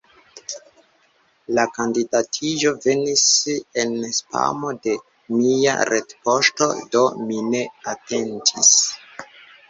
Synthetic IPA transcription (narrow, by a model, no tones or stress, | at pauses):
lakandidatʰid͡ʒo̞ve̞nisenespa̰mo̞de̞ | mia̰ɾʔetpo̞sto̞̰do̞mine̞ate̞ntʰis